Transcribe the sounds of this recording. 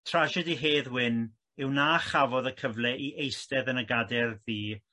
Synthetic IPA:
tʰrad͡ʒɛdiɦeːðwɪn | ɪwnaːχavɔðəkʰəvlɛʔiʔejstɛðənəɡadɛrðiː

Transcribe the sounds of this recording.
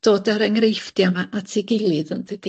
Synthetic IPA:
d̥oːdaɾɛŋrejfd̥jamaʔatʰiɡɪlˠɨðənvəd̥i

